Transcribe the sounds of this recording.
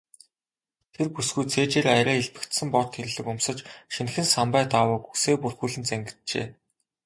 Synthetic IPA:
t̪ʰerpusɡujt͡sʰeːt͡ɕeːɾajɾæːeɮpɘ̆kt̪sɘ̆mpɔrt̪ʰxeɾɘ̆ɮɘ̆kʊmsə̆t͡ɕʃinxɘ̆nsampæːt̪awʊːkuseːpurxuːɮɘ̆nt͡sæŋɡɪ̆t̪̚t͡ɕḛː

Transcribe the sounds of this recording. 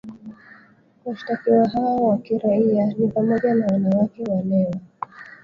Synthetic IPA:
waʃi̥takiwaɦawɔwakiɾaianipamɔʄanawanawakɛwalɛwa

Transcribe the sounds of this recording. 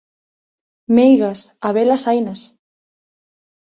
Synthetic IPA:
mejɣasaβelasajnas

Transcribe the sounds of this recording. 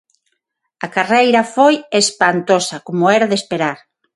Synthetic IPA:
ɐkarejɾɐfojespant̪osɐkomoɛɾaðespeɾaɾ

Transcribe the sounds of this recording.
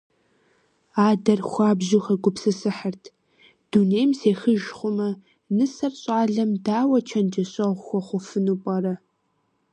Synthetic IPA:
aːdɐrxʷaːbʑuxɐɡʷʼʊpsɨsɨħərtʰ | d̥uneːjmseːxəʒχʷʊmɐ | nɨsɐrɕʼaːɮɐmdaːwɐt͡ʃʰɐnd͡ʒɐɕʼɐʁʷxʷɔχʷʊfɨnupʼɐɾɐ

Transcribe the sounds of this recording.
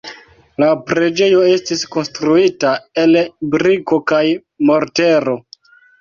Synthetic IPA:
lapɾe̞d͡ʒe̞jo̞e̞stisko̞nstɾuitae̞lbɾiko̞kaj | mo̞ɾte̞ɾo̞

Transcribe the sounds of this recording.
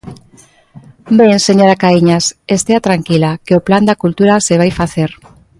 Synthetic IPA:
beŋseɲoɾakaiɲasest̪eat̪ɾaŋkilakeopland̪akult̪uɾaseβ̞ajfaθeɾ

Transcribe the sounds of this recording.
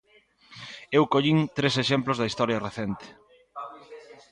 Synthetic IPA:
ewkoʎint̪ɾeseʃemplozðɐist̪ɔɾjɐreθent̪ɪ̥

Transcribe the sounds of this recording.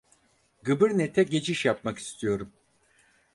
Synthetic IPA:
ɡɯbɯɾnet̪ʰɛɟe̞t͡ʃʰiʃjapmaki̥st̪ʰijo̞ɾum

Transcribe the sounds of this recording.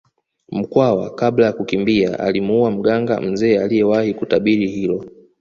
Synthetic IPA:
m̩kwawakaɓlajakukimbia̰ʔa̰limuuwam̩ɠaŋɡa̰m̩zɛːalijɛwahikutaɓiɾihilɔ

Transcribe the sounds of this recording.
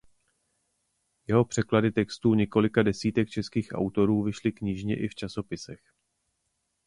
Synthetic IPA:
jɛɦo̞pr̝̥ɛkladɪt̪ɛkst̪uːɲɛko̞lɪkadɛsiːt̪ɛk̚t͡ʃɛskiːxʔa̰wt̪o̞ɾuːvɪʃlɪkɲɪʒɲɛʔɪft͡ʃaso̞pɪsɛx

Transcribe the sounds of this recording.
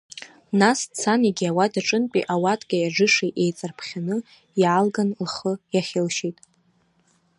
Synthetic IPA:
nast͡sʰaniɡʲawadaʈ͡ʂʼɨnpʼiʔawatʼkʲʼajaʐɨʂeʔejt͡sʼarpʰχʲanɨ | jaːlɡanlχəjaχʲɪlʃitʼ

